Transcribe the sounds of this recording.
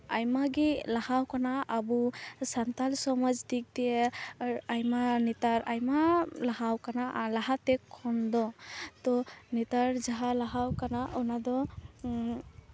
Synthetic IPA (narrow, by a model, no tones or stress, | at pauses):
ajmaɡilahawkanaʔːbusantalsɔmɔd͡ʒdik̚dijɛ | ajmanitaɾajmalahawkanalaɦatɛkʰːɔndɔt̪ɔnitaɹzaɦalaɦawkanaʔɔnadɔ